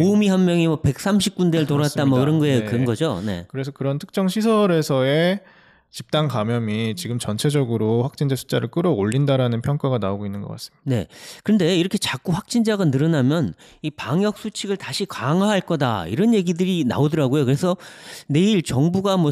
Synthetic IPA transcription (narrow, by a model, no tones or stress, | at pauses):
omiɦanmjʌŋimʌpe̞k̚s͈amɕ̬ʰip̚k͈undeɭtoɾat̚t͈amʌkiɾʌnɡʌekɯnɡʌd͡ʑone̞̰kɯɾe̞s̬ʰʌkɯɾʌntʰɯ̥k̚t͡ɕ͈ʌŋɕʰisʰʌɾe̞sʰʌe̞ | t͡ɕip̚t͈aŋkamjʌmit͡ɕiɡɯmt͡ɕʌnt͡ɕʰe̞d͡ʑʌɡɯɾoɸwak̚t͡ɕ͈ind͡ʑasʰu̥t͡ɕ͈aɾɯɭk͈ɯɾʌoʎːindaɾanɯnpʰjʌŋk͈aɡana̰oɡoinːɯnɡʌk͈a̰s͈ɯmid̥ne̞̰kɯɯnde̞iɾʌkʰe̞t͡ɕak͈uɸwak̚t͡ɕ͈ind͡ʑaɡanɯɾɯnamjʌn | ipaŋjʌk̚s͈ʰut͡ɕʰiɡɯɭtaɕʰikaŋwaɦaɭk͈ʌda̰ḭɾʌnje̞ɡidɯɾina̰odɯɾaɡojokɯɾe̞sʰʌne̞iɭt͡ɕʌŋbuɡamwʌ